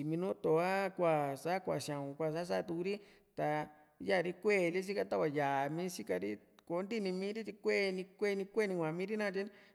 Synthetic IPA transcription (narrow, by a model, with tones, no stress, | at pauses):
i˨mĩ˧nũ˦t̪o˨a˦kʷa˧˨sa˦kʷa̰˨ʃã˨ũ˨kʷa˧˨s̬a˦s̬a˦˧t̪u˧ku˧ɾi˦ | t̪a˧ | ja˦˨ɾi˦kʷe˦˨li˦s̬i˦ka˧t̪a˦kʷa˧˨ja˨mĩ˦si˦ka˧ɾi˦ | ko˨˦nd̪i˦˨nĩ˧mĩː˦ɾi˦t̪i˧kʷe˦˧nĩ˧kʷe˦˨˧nĩ˧kʷe˦˨nĩ˧kʷã˨mĩ˦ɾi˦nã˦˧t̪i˦n